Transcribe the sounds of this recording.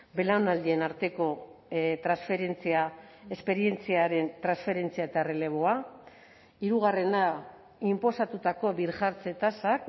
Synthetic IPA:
be̞lawnald̪ie̞naɾt̪e̞ko̞t̪ɾansfe̞ɾe̞nt͡siae̞spe̞ɾie̞nt͡siaɾe̞nt̪ɾansfe̞ɾe̞nt͡siaet̪aere̞le̞βo̞a | iɾuɣ̞are̞na | impo̞sat̪ut̪ako̞βiɾʝaɾt͡se̞t̪asak

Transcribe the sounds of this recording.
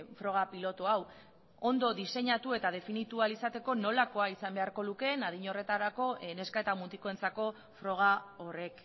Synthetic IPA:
fɾo̞ɣapilo̞t̪oaw | o̞nd̪o̞ðise̞ɲat̪ue̞t̪að̞e̞finit̪ualisat̪e̞ko̞no̞lako̞aisambe̞aɾko̞luke̞nað̞iɲo̞re̞t̪aɾako̞ʔene̞skae̞t̪amunt̪ikoent͡sako̞ | fɾo̞ɣ̞ao̞re̞k

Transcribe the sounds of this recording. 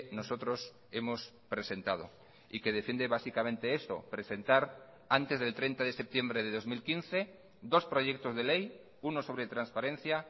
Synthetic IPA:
nosot̪ɾos | emos | pɾese̞nt̪að̞o̰ | ikeð̞efje̞nd̪eβasikamẽnt̪eeso̰pɾese̞nt̪aɾ | ant̪ezðe̞lt̪ɾent̪aðesep̚t̪je̞mbɾeð̞eðo̞zmilkinθe̞ | d̪o̞spɾoʝek̚t̪ozðelej | unoso̞βɾet̪ɾanspaɾen̟θja

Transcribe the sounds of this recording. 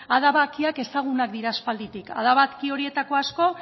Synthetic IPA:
aðaβakiake̞saɣ̞unak̚d̪iɾaspald̪it̪ika̰ð̞aβat̪kio̞ɾie̞t̪ako̞asko̞

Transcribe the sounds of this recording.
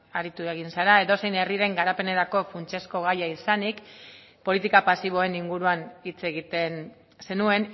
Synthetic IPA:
aɾit̪ueɣ̞insaɾae̞ðo̞se̞jne̞riɾe̞ŋɡaɾape̞ne̞ɾako̞funt͡ʃe̞sko̞ɣ̞ajaisanik | po̞lit̪ikapasiβ̞o̞e̞niŋɡuɾuanit͡se̞ɣit̪e̞n | se̞nue̞n

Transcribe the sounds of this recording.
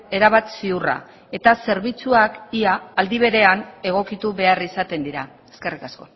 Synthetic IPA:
e̞ɾaβat̪siura̰ | e̞t̪ase̞ɾβ̞it͡suakiaːld̪iβe̞ɾe̞ane̞ɣ̞o̞kit̪uβe̞arisat̪e̞nd̪iɾa | e̞ske̞rikasko̞

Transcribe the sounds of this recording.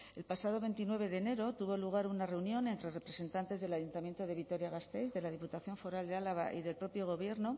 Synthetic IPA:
e̞lpasað̞o̞βe̞nt̪inwe̞β̞e̞ðe̞ne̞ɾo̞t̪uβo̞luɣ̞aɾunare̞unjõ̞ne̞nt̪ɾe̞repɾe̞se̞nt̪ant̪e̞zðe̞laʝunt̪amje̞nt̪o̞ð̞e̞βit̪o̞ɾjaɣ̞ast̪ejzðe̞lað̞iput̪aθjo̞ɱfo̞ɾald̪ealaβa̰ʔiðe̞lpɾo̞pjo̞ɣ̞o̞βje̞ɾno

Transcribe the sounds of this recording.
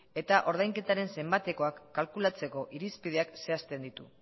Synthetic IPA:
e̞t̪aʔo̞ɾð̞ajŋke̞t̪aɾe̞nse̞mbat̪e̞ko̞akːalkulat͡se̞ko̞ʔiɾispið̞e̞akse̞ast̪e̞nd̪it̪u

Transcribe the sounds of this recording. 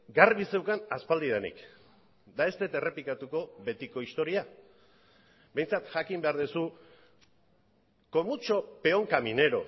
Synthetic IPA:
ɡarβise̞wkanaspald̪ið̞enḭk | d̪ae̞st̪e̞t̪e̞re̞plikat̪uko̞βe̞t̪iko̞ist̪o̞ɾia | be̞jnt͡sat̪ʝakimbe̞aɾðusu | ko̞mut͡ʃope̞o̞ŋkamine̞ɾo̞̰

